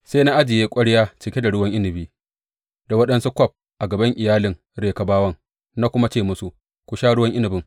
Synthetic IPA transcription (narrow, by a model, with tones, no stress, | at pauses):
seː˦na˦ʔa˦d͡ʒɪ˨jeː˦kʷʼɐ˦ɽjaː˦t͡ʃɪ˨kʲe˦da˨ɽʊ˦wɐ˦ŋʔɪ˦nɪ˨biː˦ | da˨wɐ˦ɗɐ˦nsu˦kʷɔ˦˨p̚ | ʔa˨ɡɐ˨bɐ˦ŋʔɪ˨jaː˦lɪ˨ŋ | ɽeː˨ka˨baː˦wɐ˦ŋ | na˦kʷʊ˦ma˦t͡ʃeː˦˨mʊ˦su˦ | kʷʊ˨ʃaː˦ɽʊ˦wɐ˦ŋʔɪ˦nɪ˨bɪ˦ŋ